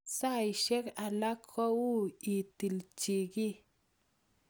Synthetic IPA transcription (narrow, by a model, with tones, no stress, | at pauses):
sa˦˨i˨ʃe˦ka˨la˦kʰːɔ˦wu˦i˨ti˨lt͡ʃi˨ki˦